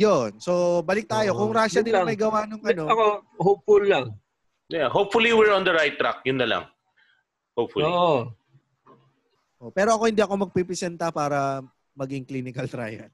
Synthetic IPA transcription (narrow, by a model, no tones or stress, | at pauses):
jonso̞bɐlɪk̚t̪aːjo̞kʊŋɾaːʃɐd̪ɪmɐjɡɐwanʊŋʔɐnoɐkohop̚fʊlːɐŋ | jaɦopfʊliwɪɹɔ̃nd̪əɹajt̪ːɾa̰k̚jʊnːɐlɐ̰ŋ | hopfʊloʔ | ʔopɛːɾo̞ʔɐko̞hɪnd̪iːɐko̞mɐɡ̚pipɪsɛnt̪ɐpaːɾɐ | mɐɡɪŋkliːnɪkɐlt̪ɾa̰jɛ̰ɾ